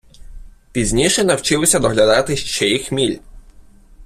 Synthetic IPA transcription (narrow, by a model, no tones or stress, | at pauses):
pʲizʲnʲiʃɛnɐwt͡ʃɪlˠɔsʲɐd̪ɔɦlʲɐd̪ɑt̪ɪʃt͡ʃɛjixmʲilʲ